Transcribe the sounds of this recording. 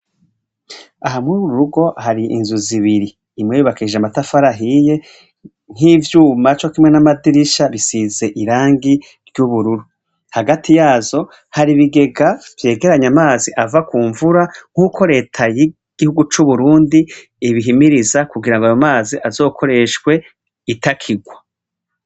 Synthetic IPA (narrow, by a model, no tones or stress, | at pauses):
aɦamŋuɾuɾuɾuɡo̞haɾiḭnzuziβiɾiː | mŋejuβakiʒeamatafaɾaɦije̞ | n̥hivjuːmat͡ʃo̞kimŋe̞namadiɾiʃaβisize̞ʔiɾaːŋɡi | ɾjuβuɾuɾu | haɡatʰijaːzo̞ | haɾiβiɡe̞ɡavje̞ːɡe̞ɾaɲamaːziʔavakuːɱvuɾaŋ̥huːko̞ɾe̞ːtʰaji | ɡ̥ihuɡut͡ʃuβuɾuːndi | iβiɦimiɾizakuɡiɾaŋɡoajomaːziʔazo̞ːko̞ɾe̞ʃkwe̞ | itakʰiɡwa